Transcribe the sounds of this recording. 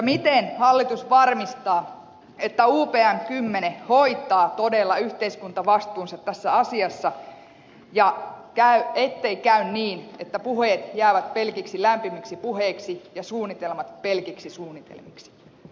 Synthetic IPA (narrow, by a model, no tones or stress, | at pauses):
jɑmit̪enhɑlːit̪usʋɑrmist̪ɑː | et̪ːæuːpeːæmkymːeneho̞it̪ːˑɑːt̪odelːɑyht̪eiskunt̪ɑʋɑst̪uːnsɑt̪t̪æsːæɑsiɑsːɑ | jɑkæyet̪ːe̞ikæynniːnet̪ːæpuheːt̪jæːʋæt̪pelkiksilæmpimiksipuɦeːksijɑsuːnːit̪elmɑt̪pelkiksisuːnːit̪ḛlmiksi̥